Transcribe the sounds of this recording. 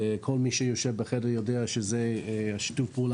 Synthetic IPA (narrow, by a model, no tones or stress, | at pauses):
kʰolmiʃəjoʃɛvbəχɛdəʁjodeaʃəzeaʃi̥tufbul